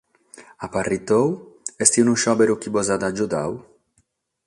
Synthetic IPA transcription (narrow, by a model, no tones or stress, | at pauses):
aparit̪owɛst̪iwnũʃɔbeɾukibɔzad̪ad͡ʒud̪a̰w